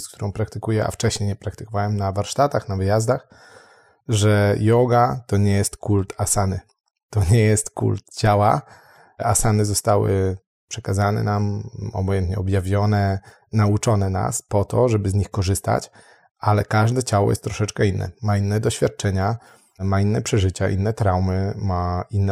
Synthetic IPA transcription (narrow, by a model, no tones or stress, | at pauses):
sk̚t̪uɾɔ̃w̃pɾakt̪ɘkujɛʔa̰ft͡ʂɛɕɲejɲɛpɾakt̪ɘ̥kɔvawɛmnavaɾʂt̪at̪axnavɘjazd̪ax | ʐɛjɔɡat̪ɔɲɛjɛst̪kult̪asanɘ | t̪ɔɲɛjɛst̪kṵlt̪̚t͡ɕawa | a̰sanɘzɔst̪awɘ̰ | pʂɛkazanɛ̰namɔ̰bɔjɛnt̪ɲɛ̰ɔbjavʲjɔnɛ | naut͡ʂɔnɛna̰spɔt̪ɔʐɛbɘzɲixkɔʐɘst̪a̰t͡ɕ | alɛkaʐd̪ɛt͡ɕawɔ̰jɛ̰st̪ːɾɔʂɛt͡ʂkɛinːɛ̰mainːɛd̪ɔɕfʲjat̪̚t͡ʂɛɲa | mainːɛpʂɛʐɘt͡ɕaʔḭnːɛt̪ɾawmɘmainːɛ